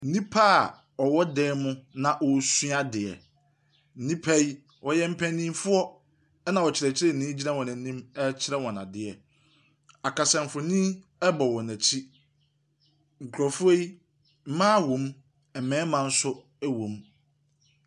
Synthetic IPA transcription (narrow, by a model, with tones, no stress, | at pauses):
n̩˦nĩ˦pʰa˦˨ | ɔ˨wɔ˦dɛː˦mʊ̃˦nã˨ʔɔ˨sɥa˦dɪ˨ɛ̰˨ | n̩˦˨nĩ˦pʰa˦i˦ | wʔɔ˨jɛ˦m̩˦pʰæ̃˦nĩ˦fʊ˦ɔ˦ | ɛ˦nã˨wɔ˨t͡ɕʰɪ˨ɾɛ˨t͡ɕʰɪ˦ɾɛ˦˨nĩː˦d͡ʑi˦nã˦wɔ̃˨nã˨˦nĩ˦mɛ˦t͡ɕʰɪ˦ɾɛ˦wɔ̃˨nã˨dɪ˨ɛ˨ | a˨kʰa˨sɛ̃˨m̩˨fʊ˨nĩ˦ | ɛ˦bɔ˨wɔ̃˨næ̃˨t͡ɕʰi˦ | ŋ̩˨kʰɾɔ˨fʊ˦e˦i˦ | m̩˦mãː˦wõ˨˦m˦ | ɛ˨mɛ̃ː˨˦mã˦n̩˦sʊ˦ | ɛ˦wõ˨m